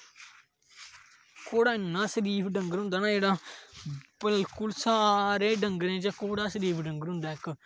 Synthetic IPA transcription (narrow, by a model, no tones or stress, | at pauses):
koːɽaːɪnːãːsəɾiːpʰɖəŋɡəɾɦʊ̃nd̪aːnaːd͡ʒeːɽaː | bəlkʊlsaːɾeːɖəŋɡəɾẽːd͡ʒãːkoːɽaːsəɾiːpʰɖəŋɡəɾɦʊ̃ːnd̪aːɪkː